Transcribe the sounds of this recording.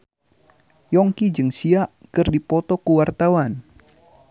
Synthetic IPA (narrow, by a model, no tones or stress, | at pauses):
jɔŋkid͡ʒɨŋsiaʔkɨrdipɔt̪ɔkuwart̪awan